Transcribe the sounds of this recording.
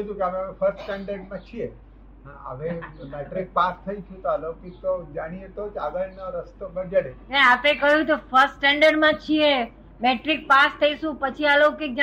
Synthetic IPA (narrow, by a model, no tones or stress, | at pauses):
t̪ũkeaʋefʰəɾsʈsʈɛɳɖəɾɖmãt͡ʃʰie | ɦãə̰ʋemeʈɾik̚past̪ʰəit͡ʃʰũt̪oalokik̚t̪od͡ʒaɽ̃iet̪od͡ʒaɡəlnoɾəst̪obəd͡ʒaɽenɛapekəɦjũt̪ofəɾsːʈɛɳɖəɾɖmãt͡ʃʰie | meʈɾik̚past̪ʰəiʃũpət͡ʃʰialokek̚d͡ʒ